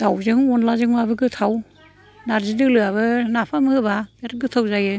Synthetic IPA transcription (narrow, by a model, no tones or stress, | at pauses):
dawzɯŋɔnlazɯŋmabɯɡɯt̪ʰaw | naɾzidɯlɯaβɯnapʰamɯbabaɾɡɯt̪ʰawzajɯ